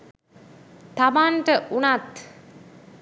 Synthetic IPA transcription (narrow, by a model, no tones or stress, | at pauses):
t̪abaɳʈəʔunat̪